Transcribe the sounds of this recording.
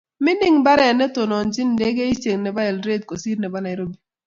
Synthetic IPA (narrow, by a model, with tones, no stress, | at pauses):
mɪ˦nɪ˦ŋba˦ɾɛ˨nɛ˦to˨nɔ˨nd͡ʒɪ˦n˨de˦ɡe˦i˦t͡ʃe˨ŋnɛ˨ba˦ɛ˨lɾe˦t̚ko˨si˦ɾnɛ˨ba˦na˨ɪ˨ɾo˦bi˨